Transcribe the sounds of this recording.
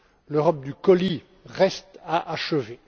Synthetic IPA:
løʁɔp̚d̪ykɔli | ʁɛst̪aʔaʃəve

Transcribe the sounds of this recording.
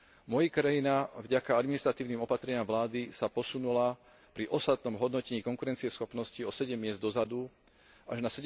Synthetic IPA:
mɔjikɾajinavɟakaad̪minist̪ɾat̪iːʊniːmɔpat̪ɾɛɲɪamʋlaːd̪isapɔsunula | pɾiʔɔst̪at̪̚nɔmɦɔd̪nɔcɛɲiːkɔŋkuɾɛnt͡siɛsxɔpnɔsciɔsɛɟɛmːɪɛzd̪d̪ɔzad̪u | ʔaʒnasɛɟ

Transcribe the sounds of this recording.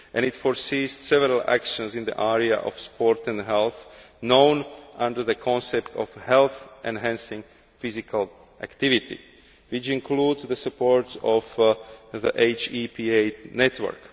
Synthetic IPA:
ʔɛ̃nit̪fɔɹsiːstsɛʋɛɾalʔæ̰kʃə̃nzĩnd̪ḭʔɛɹia̰ʔɔ̰fspʰɔɾt̪ɛ̃ndɦɛlˠθ | nõʊnʔãnd̪ə˞ðəkʰɔ̃nsɛpt̪ʰɔ̰fhɛlθʔɛ̃nɦæ̃nsĩŋ | fizikʰal | ʔækt̪iʋit̪ḭ | ʋit͡ʃĩŋkʰluːdzðəsupɔɹtsɔfðəʔeɪt͡ʃiːpienɛt̪ʰʋə̰˞k

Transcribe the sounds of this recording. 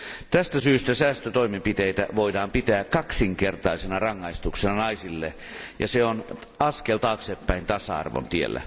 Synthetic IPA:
t̪æst̪æsyːst̪æsæːst̪øt̪oimempit̪eit̪æ̰ʋoidɑːmpit̪æːkkɑksiŋkert̪ɑisenɑrɑŋːɑist̪uksenɑnɑisilːḛ | jɑ̰seon | ɑskelt̪ɑːksepːæint̪ɑsɑ̰ɑ̰rʋo̰nt̪iḛlːæ̰

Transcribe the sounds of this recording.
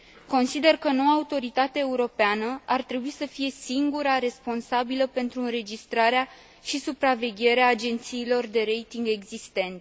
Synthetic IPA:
ko̞nsid̪e̞rkəno̞waːut̪o̞ɾit̪at̪eaeuɾo̞peanəart̪ɾe̞buisəfije̞siŋɡuɾaɾe̞spo̞nsabiləpe̞nt̪ɾuɨnɾe̞d͡ʒist̪ɾaɾea | ʃisupɾave̞ɡʲe̞ɾeaːd͡ʒe̞nt̪siːlo̞rd̪e̞ɾe̞jt̪iŋɡe̞ɡzist̪e̞nt̪

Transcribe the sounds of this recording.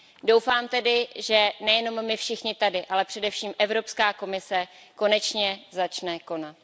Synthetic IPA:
dowfaːmt̪ɛdɪʒɛnɛjɛno̞mːɪfʃɪxɲɪt̪adɪʔalɛpr̥ɛdɛfʃiːmʔɛvɾo̞pskaːko̞mɪsɛ | ko̞nɛt͡ʃɲɛzat͡ʃnɛko̞nat̪

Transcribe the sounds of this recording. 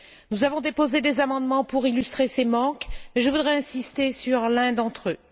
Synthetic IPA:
nuzavɔ̃d̪epozed̪ezamɑ̃d̪mɑ̃puʁilyst̪χesemɑ̃keʒəvud̪ʁɛɛ̃sist̪esyʁlɛ̃d̪ɑ̃t̪χø

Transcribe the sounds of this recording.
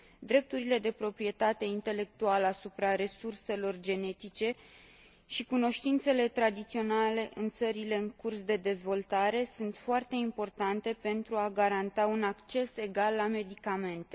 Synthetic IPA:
d̪ɾe̞p̚t̪uɾile̞d̪e̞pɾo̞pɾije̞t̪at̪e̞int̪e̞le̞k̚t̪ualəasupɾaɾe̞surse̞lo̞rd͡ʒe̞ne̞t̪it͡ʃe̞ | ʃikuno̞ʃt̪int̪se̞le̞t̪ɾad̪it̪sio̞nale̞ʔɨnt̪səɾile̞ɨŋkursd̪e̞d̪e̞zvo̞lt̪aɾe̞sunt̪foart̪e̞impo̞rt̪ant̪e̞pe̞nt̪ɾuaɡaɾant̪aunakt͡ʃe̞se̞ɡalːame̞d̪ikame̞nt̪e

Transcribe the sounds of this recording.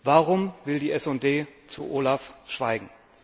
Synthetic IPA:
vaːʁʊmvɪldiːʔɛsʊnd̥eːt͡sṵʔoːlafʃv̥aɪɡŋ̩

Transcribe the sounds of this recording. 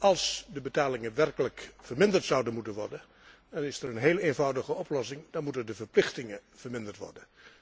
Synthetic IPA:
ɑlˠsdəbətaːlɪŋəʋɛrkələkfəɹmɪndəɹtsʌwdənmutənʋɔ̰ɹdən | dɑnɪsəɹənɦejləenvʌwdəχəɔplɔsɪŋdɑnmutəndəvəɹplɪχtɪŋəv̥əɹmɪndəɹtʋɔ̰ɹdən

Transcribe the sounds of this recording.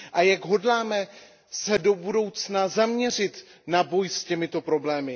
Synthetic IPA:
ʔajaɡɦo̞dlaːmɛ | sɛdo̞budo̞wt͡snazamɲɛr̝ɪt̪ | nabo̞jscɛmɪt̪o̞pɾo̞blɛːmɪ

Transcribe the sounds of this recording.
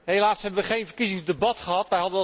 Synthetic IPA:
ɦelaːsɦɛbəʋəχejnvəɹkizɪŋzdəbɑtχəɦɑtʋɛjɦɑdən

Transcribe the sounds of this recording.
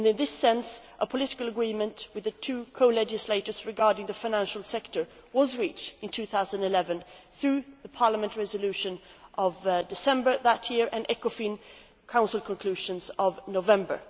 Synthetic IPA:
ɨ̃nɨ̃nðɪsɛ̃nsʔəpʰəlɪɾɪ̥kəl̩ˠəɡɹimɨ̃nʔwɨðɨtʰʉkʰoʊlɛd͡ʒɨsleɪɾə˞z̥ɹɨɡɑɹɾɪ̃ŋðɨfaɪ̃næ̃nʃl̩ˠsɛktə˞ | wʌzɹit͡ʃtɨ̃ntʰʉθaʊz̃ñɨlɛvɨ̃nθɹʉðɨpʰɑɹləmɨ̃nʔɹɛzəlʉʃɨ̃nʔʌvdɨsɛ̃mbə˞ðət̚jɪɹʔɨ̃nʔɛkəfĩn | kʰãʊ̃nsəl̩ˠkʰə̃nkʰl̥ʉʒɨ̃nzʌvnoʊvɛ̃mbə̰˞

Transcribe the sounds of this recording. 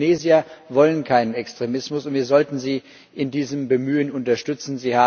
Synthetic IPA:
neːziɐvɔlənkʰaɪnənɛkstʁ̥emɪsmʊsʊntviːɐzɔltn̩ziː | ʔɪndiːzəmbəmyːənʊntɐʃtʏt͡sn̩ziːhaː

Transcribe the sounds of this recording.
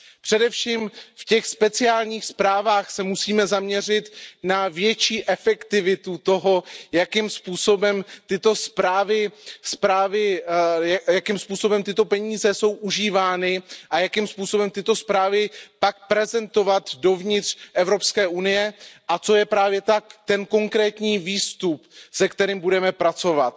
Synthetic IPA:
pr̥ɛdɛfʃiːmfcɛxspɛt͡sɪaːlɲiːxspɾaːvaːxsɛmusiːmɛzamɲɛr̝ɪt̪navjɛt͡ʃiːʔɛfɛkt̪ɪvɪt̪ut̪o̞ɦo̞jakɪmspuːso̞bɛmt̪ɪt̪o̞spɾaːvɪspɾaːvɪjjakɪmspuːso̞bɛmt̪ɪt̪o̞pɛɲiːzɛso̞wʔuʒiːvaːnɪʔajakɪmspuːso̞bɛmt̪ɪt̪o̞spɾaːvɪpak̚pɾɛzɛnt̪o̞vat̪do̞vɲɪt̪r̥ʔɛvɾo̞pskɛːʔunɪjɛʔat͡so̞jɛpɾaːvjɛt̪akt̪ɛnko̞ŋkɾɛːt̪ɲiːviːst̪upsɛkt̪ɛɾɪmbudɛmɛpɾat͡so̞vat̪

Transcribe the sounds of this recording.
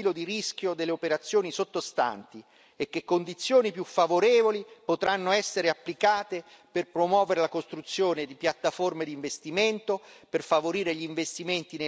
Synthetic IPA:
iːlod̪irisk̟jod̪elːeopeɾat̪sːjoːnisot̪ːost̪a̰nt̪i | ek̟ːekːond̪it̪sːjoːnipjufːavoɾɛːvolipot̪ɾʔanːoɛsːeɾeapːlikaːt̪e | perpɾomwɔːveɾelakost̪ɾut̪sːjoːned̪ipjat̪ːaformed̪iɱvest̪iment̪operfavoɾiːɾeʎiːɱvest̪iment̪ine

